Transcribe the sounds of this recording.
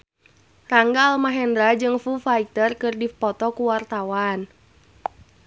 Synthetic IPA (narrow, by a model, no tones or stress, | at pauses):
raŋɡaːlmaɦɛndɾad͡ʒɨŋfufait̪ərkɨrdipɔt̪ɔkuwart̪awan